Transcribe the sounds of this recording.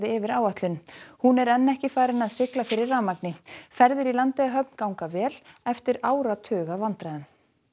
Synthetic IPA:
ðɪɪvɪɾaːwat̪lʏnhunɛɾɛnːɛhcɪfaːɾɪnaðsɪklafɪɾɪrːaːmaknɪfɛɾðɪɾilant̪ɪaɦœp̚n̥kawŋkavɛːlɛft̪ɪɾaːwɾat̪ʰʏːɣavant̪ɾaɪn

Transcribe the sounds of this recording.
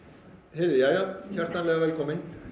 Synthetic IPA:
hɛɾðɪjajaçar̥t̪nanlɛːɣavɛlkʰɔmɪn

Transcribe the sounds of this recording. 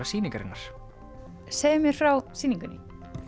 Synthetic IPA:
asiːniŋkaɾɪnːaɾ̥ | seːjʏmjɛɾ̥fɾawsiːniŋkʏnɪ

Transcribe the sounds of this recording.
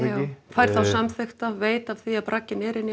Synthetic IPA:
jaːwfajɾ̥θawsamθʏxt̪aveːjt̪av̥θiapɾacːɪnɛɾɪnːɪ

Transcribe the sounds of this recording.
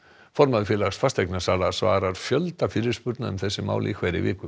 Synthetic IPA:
fɔɾmaðfjɛːlaxsfast̪ejknasaːɾasva̰ːɾaɾ̥fjœlt̪afɪɾɪɾspʏɾt̪naʏmθɛsːɪma̰ːwlʔḭkʰvajɾɪ̰vɪːkʏ

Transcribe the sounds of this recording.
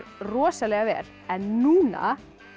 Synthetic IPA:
ɾrɔːsalɛɣavɛ̰ːɾ̥ | ɛnːuːna̰

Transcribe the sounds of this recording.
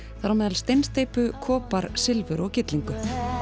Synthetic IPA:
θaɾamɛːðalst̪ejnst̪ejpʏkʰɔːpaɾsɪlvʏɾɔɣcɪt̪liŋkʏ

